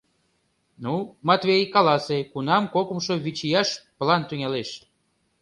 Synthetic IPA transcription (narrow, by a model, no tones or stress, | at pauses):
numɑt̪βʲejkɑlɑsekunɑmkokumʃoβit͡ɕijɑʃplɑnt̪yŋæleʃ